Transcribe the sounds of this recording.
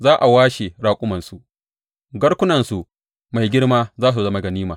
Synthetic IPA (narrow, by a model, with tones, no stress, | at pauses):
zaː˦ʔa˨waː˦ʃe˨ɽaː˦kʷʼʊ˦mɐ˨nsu˨ʔ | ɡɐ˦ɽkʷʊ˦nɐ˨nsu˨ | ma˨jɡʲɪ˦ɽmaː˦zaː˦s̬u˨zɐ˦ma˨ɡɐ˨niː˦maː˨